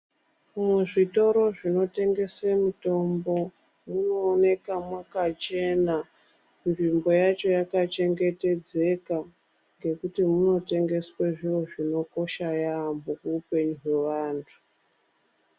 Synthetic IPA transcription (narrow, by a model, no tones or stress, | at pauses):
muʐito̞ɾo̞ʐino̞te̞ŋɡe̞semuto̞mbo̞ | muno̞ːne̞kamwakat͡ʃe̞na | nʐimbo̞jat͡ʃo̞jakat͡ʃe̞ŋɡe̞te̞d͡ze̞ka | ŋɡe̞kutimuno̞te̞ŋɡe̞sweʐiwo̞ʐino̞ko̞ʃajambokuːpe̞ɲuɦwe̞ʋaːntʰu̥